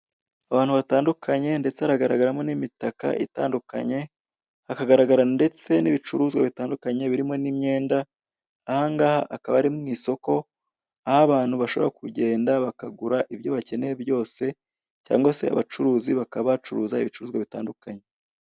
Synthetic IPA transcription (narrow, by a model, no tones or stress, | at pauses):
aβaːnhuβataːndukʰaɲe̞nde̞t͡se̞haɾaɡaɾaɡaɾamo̞nimitaka̰ʔḭtaːnduka̰ɲe̞ | akaɡaɾaɡaɾande̞t͡se̞niβit͡ʃuɾuːzɡwaβitaːndukaɲe̞βiɾimo̞nimɲe̞ːndaː | haŋɡaːhaʔakaβaɾimŋiːso̞ko̞ | ahaβaːn̥huβaʃo̞βo̞ɾakuɟe̞ːndaβakaɡuɾaʔiβjo̞βace̞neheβjo̞ːse̞ | ca̰ːŋɡwase̞̰a̰βat͡ʃuɾuːziβakaβat͡ʃuɾṵːzaiβit͡ʃuɾuːzɡwaβita̰ːndukaɲe̞